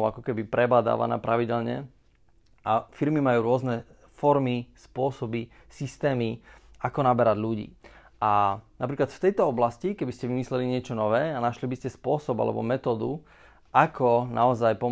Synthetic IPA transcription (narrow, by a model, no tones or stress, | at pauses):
ʊakɔkɛbipɾɛbaːd̪a̰ːʋa̰na̰ːpɾaʋiɟɛlɲɛ̰ | ʔafiɾmimajuːɾʊɔznɛ | fɔɾmispʊɔsɔbi | sist̪ɛːmiakɔnabɛɾaɟʎuɟḭː | ʔanapɾiːklat̪ft̪ɛjt̪ɔɔblascikɛbiscɛʋimislɛliɲɪɛt͡ʃɔnɔʋɛːanaʃlibiscɛspʊɔsɔba̰lɛ̰bɔ̰mɛt̪ɔːd̪u | ʔakʰɔnʔaɔzajpɔ